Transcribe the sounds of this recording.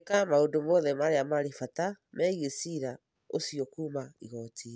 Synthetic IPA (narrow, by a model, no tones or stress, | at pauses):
kamaondomɔðɛmaɾeamaɾefatamɛɣesiɾa | osiɔkuːmaiɣɔtʰi